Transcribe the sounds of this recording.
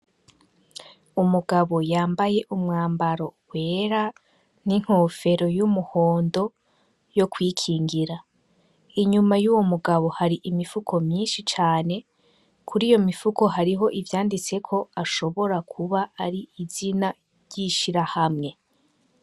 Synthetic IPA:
umuɡaβo̞jaːmbaje̞ʔumŋaːmbaɾo̞hwe̞ːɾa | niŋ̥ho̞fe̞ɾo̞jumuho̞ːndo̞ | jo̞kwiːkʰiːŋɡiɾa | iɲumajuːwo̞muɡaβo̞haɾiʔimifukʰo̞mɲiːnʃit͡ʃaːne̞ | kʰuɾiːjo̞mifuko̞ɦaɾiɦo̞ʔivjaːndit͡se̞kʰo̞aʃo̞βo̞ɾakʰuβaʔaɾiizina | ɾjiʃiɾahamŋe̞

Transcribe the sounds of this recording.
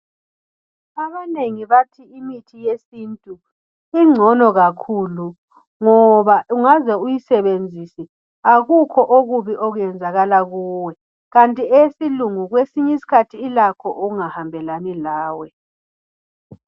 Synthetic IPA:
aβaneŋiβatʰiimitʰijesintʼu | iŋ͡ǀʱɔnɔɣakʰuːlu | ŋɔβauŋazɛujisɛβend͡zʱisi | aɣukʰɔʔoɣuβiʔoɣujɛnd͡zʱaɣalaɣuːwɛ | ɣantʼiesiluŋuɣwesiɲɛisi̥kʰatʰiːlakʰɔʔuuŋahambʱɛlanilaːwɛ

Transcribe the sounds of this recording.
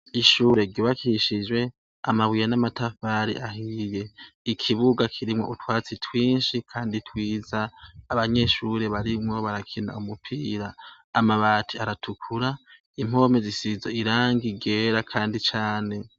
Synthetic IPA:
iʃuːɾe̞ɾɟoːβakʰiʃid͡ʒwe̞ | a̰maβwijanamatafaːɾḭʔaɦije̞ikʰiβuɡakʰiɾimŋo̞ʔutwaːt͡sitʰwiːnʃikʰaːnditʰwiːzaːβaɲe̞ʃuɾe̞βaɾimŋo̞βaɾakʰina̰umupʰiːɾaː | maβatʰiaɾatʰukʰuɾa | im̥o̞ːmezisizoiɾaːŋɡiɡeːɾakʰaːndit͡ʃaːne̞

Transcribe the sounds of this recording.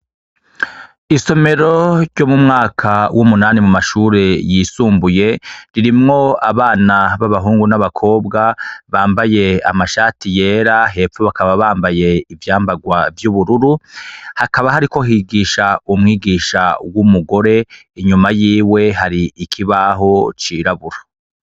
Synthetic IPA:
iso̞me̞ɾo̞ɾɟomumŋaːkʰawʔumunaːnimumaʃuːɾe̞jiːsuːmbuje̞ɾiɾimŋo̞a̰βaːnaβaβaɦuːŋɡunaβakʰo̞ːbɡaβaːmbaje̞a̰maʃaːtije̞ːɾaɦe̞ːfoβakaβaβaːmbaje̞ivjaːmbaɡwavjuβuɾuɾuhakaβahaɾiko̞ɦiːɡiːʃaumŋiːɡiːʃawumuɡo̞ɾe̞ | iɲumajiːwe̞ɦaɾiikʰiβaɦo̞t͡ʃiːɾaβuɾa

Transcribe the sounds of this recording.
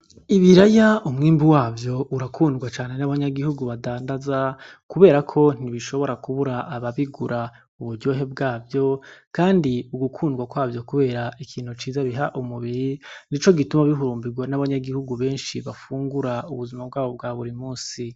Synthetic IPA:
iβiɾajaʔumŋiːmbuwaːvjo̞ʔuɾakʰuːndɡwat͡ʃaːnenaβaɲaɡihuɡuβadaːndazakuβe̞ːɾakʰo̞n̥iβiʃo̞βo̞ɾakuβuɾaʔːβaβiɡuɾa | uβuɾɟo̞ːɦe̞b̚ɡaːvjo̞kaːndiuɡukʰuːndɡwakwaːvjo̞kuβe̞ːɾaʔikʰiːn̥hut͡ʃiːzaβiɦaʔumuβiɾinit͡ʃo̞ɡitumaβiɦuɾuːmbiɡwanaβaɲaɡihuɡuβe̞ːnʃiβafuːŋɡuɾauβuzimab̚ɡaːβo̞b̚ɡaːβuɾimuːnsi

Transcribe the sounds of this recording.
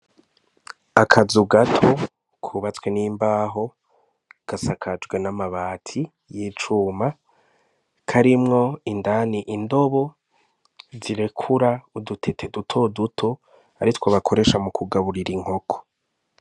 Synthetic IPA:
akʰazuɡatʰo̞ | kʰuβat͡sweniːmbaːɦo̞ | ɡ̥asakʰad͡ʒɡwenamaβaːtʰi | jit͡ʃuːma | kʰaɾimŋo̞indaniʔindo̞βo | ziɾe̞kʰuɾaudutʰe̞tʰedutʰo̞dutʰo | a̰ɾitwoβakʰo̞ɾe̞ʃamukʰuɡaβuɾiɾiŋ̥o̞kʰo̥

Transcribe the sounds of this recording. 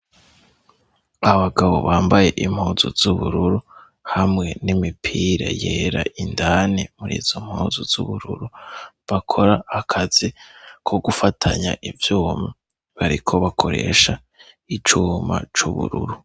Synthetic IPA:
aβaɡaβo̞̰βaːmbaje̞ʔim̥hoːzoz̥uβuɾuɾu | hamŋe̞nimipʰiːɾa̰jeːɾaʔindanemuɾḭːz̥o̞m̥huːzoz̥uβuɾuɾu | βakʰo̞ɾaːkʰazikʰo̞ɡufatʰaɲaʔivjuːma | βaɾikʰo̞βakʰo̞ɾe̞̰ʃa | it͡ʃuːma̰t͡ʃuβṵɾṵɾu

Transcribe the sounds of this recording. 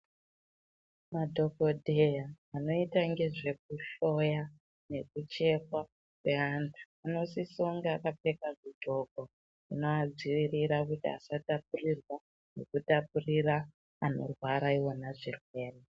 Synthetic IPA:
madʱo̞ko̞dʱe̞jaː | no̞itaŋɡe̞ʐe̞k̚uɬo̞ja | ne̞kut͡ʃe̞kwa | kweandaːno̞sisoŋɡakapekaʐudʱo̞ko | ino̞ad͡ziʋiriɾakutia̰satap̚urirwa | ne̞kutapurira | ano̰rwaɾaiwo̞naʐirwe̞ːre

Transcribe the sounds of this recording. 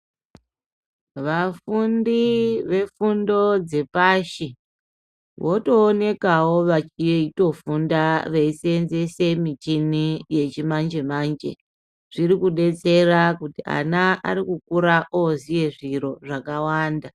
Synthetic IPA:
ʋafundiʋe̞fundo̞d͡ze̞paʃi | ʋʔo̞to̞ːne̞kawo̞ʋat͡ʃijeito̞fundaʋeisenze̞se̞mit͡ʃinije̞t͡ʃimand͡ʒe̞maːnd͡ʒe̞̰ | ʐ̥irikuɗe̞t͡se̞rakutia̰naʔa̰ɾikukuɾaʔozije̞ʐiɾo̞ʐakawaːnda

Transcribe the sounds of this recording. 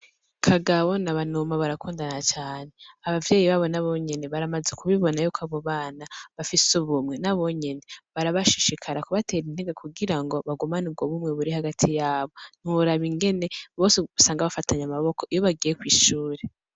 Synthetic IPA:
kʰaɡawo̞naβanomaβaɾakuːndanat͡ʃaːne̞aβavjeːjiβaːβo̞naβo̞ɲe̞ne̞βaɾamazekʰuβiβo̞najuːkʰaβo̞βaːnaβafisuβumŋe̞naβo̞ɲene̞βaɾaβaʃiʃikʰaɾakuβatʰe̞ːɾin̥heɡakʰuɡiɾaŋɡo̞βaɡumanub̚ɡo̞βumŋe̞βuɾihaɡatʰijaːβo̞n̥uβuɾaβiŋɡe̞ne̞βo̞ːseβusaːŋɡaβafatʰaɲamaβo̞koijo̞βaɡijekwiːʃuːɾe

